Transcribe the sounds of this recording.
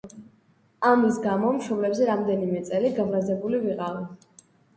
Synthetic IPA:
amisɡamɔmʃɔmlɛbzɛɾamd̪ɛnimɛt̪sʼɛliɡavɾazɛbuliviqʼavi

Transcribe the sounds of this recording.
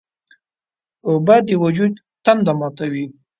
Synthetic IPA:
obad̪əwad͡ʒud̪ | t̪and̪amɑt̪awi

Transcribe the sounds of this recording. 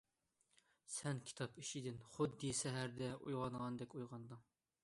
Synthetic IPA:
sɛnkʲʰi̥t̪ʰɑpiʃid̪ɪnχʊd̪ːɨsɛɦæɾd̪ɛujʁɑnʁɑnd̪ɛkʲujʁɑnd̪ɨŋ

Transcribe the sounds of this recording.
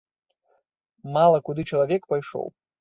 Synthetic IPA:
malˠɐkud̪ɨt͡ʂɐlˠavʲɛkpajʂɔ̰w

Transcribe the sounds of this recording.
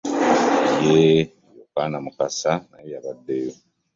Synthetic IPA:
ije | jokaːnamukasanajejaβadːejo̞

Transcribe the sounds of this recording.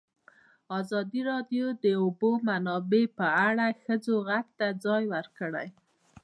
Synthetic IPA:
ɑzɑd̪iɾɑdjod̪əobomanɑbepəaɽaxəd͡zoɣak̚t̪ad͡zɑjwəɾkəɽa̰j

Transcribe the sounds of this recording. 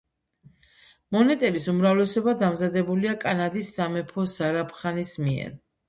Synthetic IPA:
mɔnɛt̪ʼɛbisumɾavlɛsɔbad̪amzad̪ɛbuliakʼanad̪isːamɛpʰɔsaɾapʰχanismiɛ̰ɾ

